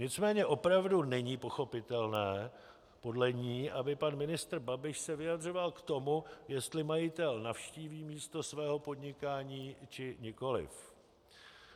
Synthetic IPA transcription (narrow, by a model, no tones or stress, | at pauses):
ɲɪt͡smɛːɲɛʔo̞pɾavdunɛɲiːpo̞xo̞pɪt̪ɛlnɛː | po̞dlɛɲiːʔabɪpanmɪnɪst̪rbabɪʃsɛvɪjad̪r̝o̞valkt̪o̞mujɛst̪lɪmajɪt̪ɛlnafʃciːviːmiːst̪o̞svɛːɦo̞po̞dɲɪkaːɲiːt͡ʃɪɲɪko̞lɪ̰f